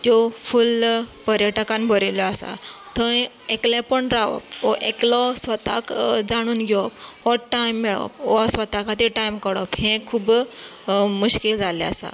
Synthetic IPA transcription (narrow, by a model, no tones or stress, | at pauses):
t̪jɔfulpəɾjəʈəkãnbʱəɾiljɔasa̰t̪ə̃eklẽpəɳɾaʋɔ̰pɔʔeklɔsʋət̪akd͡zaɽ̃uːnɡʱeɔp̚hɔʈːajmːɛɭɔ̰p̚ɔsʋət̪akʰat̪iʈajmkəɽɔphẽkʰuːb | muɕkild͡zʱalea̰sa̰